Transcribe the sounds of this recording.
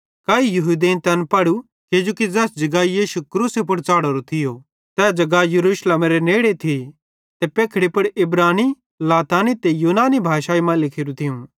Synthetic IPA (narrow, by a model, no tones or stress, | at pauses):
kaːijɐɦud̪eːnt̪ɐnpɐɽu | ked͡ʒoːkid͡zɛːsd͡ʒɐɡaːijiːʃukɾuːsepʊɽt͡saːɽɐɾot̪ʰɪjo | t̪ɛːd͡ʒɐɡajɐɾuːʃlemɾeneːɽet̪ʰi | t̪epeːkʰɽipʊɽʔɪbɾaːni | laːt̪aːnit̪ejuːnaːnibʱaːʃaːimãlɪkʰɪːɾũt̪ʰɪjũ